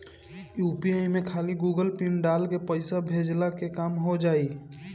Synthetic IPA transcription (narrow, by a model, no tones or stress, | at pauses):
juːpiaːimẽkʰaːliɡuːɡəlpinɖaːlkepəɪsabʱeːd͡ʒlakekaːmɦod͡ʒaːiː